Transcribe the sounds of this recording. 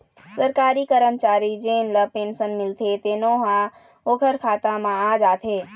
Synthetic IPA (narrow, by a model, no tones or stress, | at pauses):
səɾkaːɾikəɾəmt͡ʃaːɾid͡ʒeːnləpeːnsənmɪlt̪ʰet̪eːnoːɦã | oːkʰəɾkʰaːt̪ãmãad͡ʒaːt̪ʰeː